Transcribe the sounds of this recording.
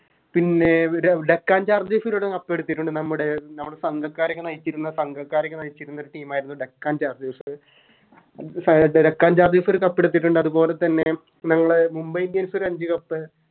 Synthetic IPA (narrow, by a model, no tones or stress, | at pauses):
pinːeɾɖekːaːnd͡ʑaːrd̪iːfiloɽekɐpːe̞ɽut̪ːiʈːuɳɖɨnɐmːuɽenɐmːuɽesɐŋɡʱɐkːaːɾɐkʲːɨnɐjit͡ɕːiɾunːɐsɐŋɡʱɐkːaːɾɐkʲːɐnɐjit͡ɕːiɾunːoɾuʈiːmaːjiɾunːuɖekːaːnd͡ʑaːrd̪iːfɨ | sɾekːaːnd͡ʑaːrd̪iːfoɾkɐpːe̞ɽut̪̬ːiʈ̬ːuɳɖɨɐðupo̞ːle̞t̪ːɐnːe̞ | nɐŋːɐɭemumbɐjnɡeːnsoɾɐɲd͡ʑɨkɐpːɨ